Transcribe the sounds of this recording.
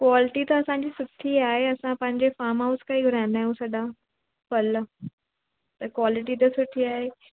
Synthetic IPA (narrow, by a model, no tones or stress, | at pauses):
kwaːlɪʈit̪ɐɐsãɲd͡ʑiːsʊʈʰiaːɦeɐsãpɐ̃ɦɪ̃ɲd͡ʑefaːɾmɦaʊskaːiɡʱʊɾãɪ̃nd̪aːɦjũsɐɗa | pɐl | t̪ɐkwaːlɪʈit̪̬ɐsʊʈʰiaːɦeː